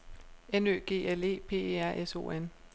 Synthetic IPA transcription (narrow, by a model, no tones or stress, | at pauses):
enø̰ːɡ̥e̝̰ːele̝̰ːpʰe̝̰ːeæɐ̰ʔeso̝̰ːen